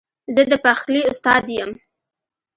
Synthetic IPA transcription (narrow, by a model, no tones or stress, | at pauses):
zəd̪əpaxliʊst̪ɑd̪jəm